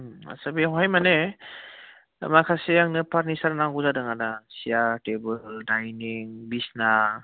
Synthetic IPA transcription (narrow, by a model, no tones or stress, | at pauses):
a̰sabiɔɦajmane | makʰaseaŋnɯpʰaɾnisaɾnaŋɡuzadɯŋanasijatebɯldajniŋbisna